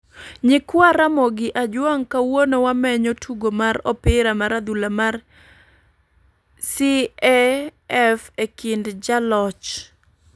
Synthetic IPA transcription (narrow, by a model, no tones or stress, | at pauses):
ɲɪkwaɾamɔɡɪʔad͡ʒwaŋkawonowamɛɲɔtʰuɡomaɾɔpɪɾamaɾad̪ulamar | siɛɛfekindd͡ʒalɔt͡ʃ